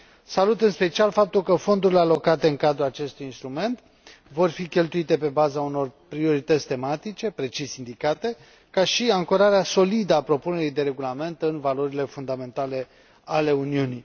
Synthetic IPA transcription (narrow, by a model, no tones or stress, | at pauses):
salut̪ɨnspe̞t͡ʃialfap̚t̪ulkəfo̞nd̪uɾile̞alo̞kat̪e̞ɨŋkad̪ɾulat͡ʃe̞st̪ujinst̪ɾume̞nt̪ | vo̞rfikʲe̞lt̪uit̪e̞pe̞bazauno̞rpɾio̞ɾit̪ət̪sʲt̪e̞mat̪it͡ʃe̞pɾe̞t͡ʃisʲind̪ikat̪e̞ | kaʃiaŋkoɾaɾeaso̞lid̪əapɾo̞pune̞ɾid̪e̞ɾe̞ɡulame̞nt̪ɨnvalo̞ɾile̞fund̪ame̞nt̪ale̞ | ale̞uniuni